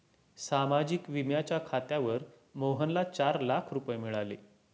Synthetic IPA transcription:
samad͡ʑikʋimjat͡ɕjakʰat̪jaʋəɾ | moɦənlat͡ɕaɾlakʰɾupəjemiɭale

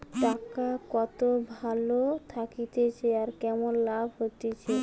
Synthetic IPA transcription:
ʈakakɔt̪obʱalot̪ʰakit̪et͡ɕʰeaɾkɛmonlabʱɦot̪et͡ɕʰe

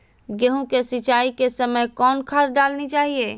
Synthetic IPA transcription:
ɡeɦũkesɪt͡ʃaːikesəməjkɔːnkʰaɾɖaːlnit͡ʃaːɦie

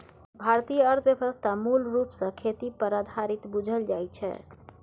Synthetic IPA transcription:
bʱaɾt̪ijəəɾt̪ʰbjəbəst̪ʰamulɾupsə̃kʰet̪ipəɾad̪ʱaɾit̪bud͡ʒʱəld͡ʒajt͡ʃʰɛ̰

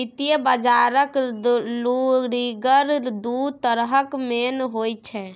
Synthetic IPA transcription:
it̪ijəbəd͡ʒaɾəkluɾiɡəɾd̪ut̪əɾɦəkmenɦojt͡ʃʰɛ

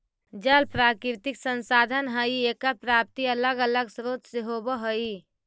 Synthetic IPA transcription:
d͡ʒəlpɾakɾt̪iksənsad̪ʱənɦəiekəɾpɾap̚t̪iələɡələɡsɾot̪seɦobəɦəi

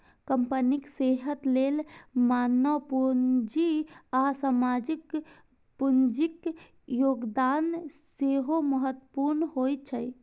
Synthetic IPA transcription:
kəmpənikseɦət̪lelmanəpund͡ʒiasamad͡ʒik | pund͡ʒik | joɡd̪anseɦoməɦət̪ːəpuɾnɦojt͡ʃʰəj

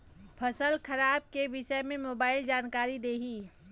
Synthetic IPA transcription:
pʰəsəlkʰəɾaːb̚kebɪʃəmẽmoːbaːɪld͡ʒaːnkaːɾid̪eːɦiː

